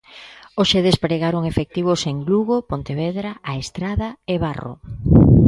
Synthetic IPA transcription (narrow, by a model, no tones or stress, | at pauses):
oʃeðespɾeɣaɾoŋefek̚t̪iβ̞oseŋɡluɣopont̪eβeðɾaaest̪ɾaðaeβaro̰